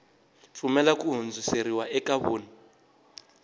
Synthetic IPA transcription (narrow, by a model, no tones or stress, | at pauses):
fumɛlakuɦund͡zuseɾiwaʔɛkaβoːni